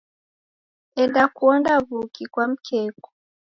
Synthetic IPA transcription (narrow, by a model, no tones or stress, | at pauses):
ɛndakuɔndaβukikwam̩kʰɛkɔ̥